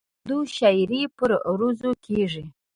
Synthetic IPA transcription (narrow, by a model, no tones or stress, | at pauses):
d̪uʃajɾipəɾɾuzokʰeʐi